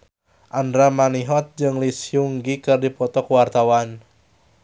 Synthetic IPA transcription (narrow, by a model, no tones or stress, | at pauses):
ʔandɾamaniɦɔt̪̚d͡ʒɨŋlisjuŋɡikɨrdipɔt̪ɔkuwart̪awan